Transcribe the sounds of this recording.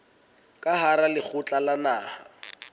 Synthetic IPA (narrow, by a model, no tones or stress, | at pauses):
kʼaɦaɾalɪk͡xʰʊt͡ɬʼalanaːha